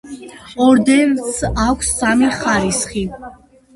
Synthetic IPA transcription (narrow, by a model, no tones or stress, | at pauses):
ɔɾd̪ɛnsakʷʰsːamiχaɾisχi